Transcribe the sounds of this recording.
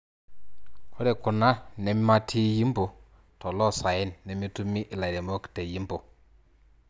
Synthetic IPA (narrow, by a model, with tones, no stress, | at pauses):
kʰo˦de˨ku˨na˦ne˨mi˦ma˦tʰi˦ji˦mbo˨ | to˨lɔ˦sa˨ji˦nːe˨mi˦tu˦mi˦ʔi˨la˨de˨mo˦kte˨ji˦mbo˨